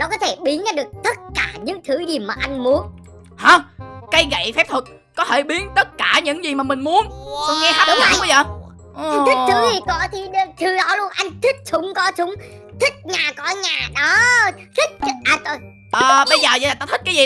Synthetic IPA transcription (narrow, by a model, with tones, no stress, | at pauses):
nɔ˨˦kɔ˨˦t̪ʰe˧˩ɓi˨˦ənʔa˨˦ɗɨ˨˩ək̚t̪ə˦˥t̚kaː˧˩ɲɨ̰˧˥ŋt̪ʰɨ˨˦ɗi˨˩əwmaː˨˩ʔa˧jŋ̟mu˨˦ən | haː˨ka˨˧˦jɣə̰˧˨jfɛ˦˥p̚t̪ʰə˨˩t̚ | kɔ˨˦t̪ʰe˧˩ɓi˨˦ənt̪ə˦˥t̚kaː˧˩ɲɨ̰˧˥ŋzi˨˩maː˨˩mï˨˩ŋ̟mu˨˦ənkɔ˧ŋɛ˧aː˦˥ɨ˨˦a˧˦ə˧jzəː˨˩ | ʔt̪ʰï˦k̚t̪ʰɨ˨˦zi˨˩kɔ˧˩t̪ʰi˨˩ɗt̪ʰɨ˨˩ɗɔ˨˦lu˧ənʔa˧jŋ̟t̪ʰï˦˥k̟̚sʊ˨˦ŋ͡mkɔ˨˦sʊ˨˦ŋ͡m | t̪ʰï˦˥k̚ɲaː˨˩kɔ˧˩˦ɲaː˨˩ɗɔ˨˦ | zi˦˥k̚ʔaː˨˩t̪o˧j | ʔəː˨˩ɓə˧jzəː˨˩zə̰˧˨a˨˩t̪aː˧t̪ʰi˦˥t̚kːjzi˨˩